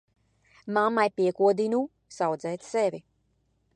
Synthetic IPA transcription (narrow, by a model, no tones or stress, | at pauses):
mamːajpiɛkuɔd̪inu | sawd̪zɛjt̪sɛvʲi